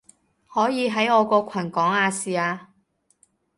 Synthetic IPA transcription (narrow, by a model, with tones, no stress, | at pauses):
hɔː˨˥jiː˨˧ɦɐ˨˥jɔː˨˧kɔː˧kʷʰɐ˨˩nkɔː˨˥ŋaː˧siː˨˧aː˧